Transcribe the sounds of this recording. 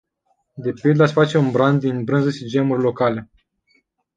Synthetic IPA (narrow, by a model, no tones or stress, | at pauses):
d̪e̞pild̪asʲfat͡ʃe̞unbɾand̪d̪inbɾɨnzəʃid͡ʒe̞murʲlo̞kale̞